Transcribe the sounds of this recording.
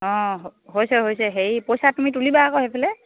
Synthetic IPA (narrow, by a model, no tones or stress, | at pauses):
ɔ̃ɦɦojsɛɦojsɛɦejpojsatumitulibaːkɔhepʰɛlɛ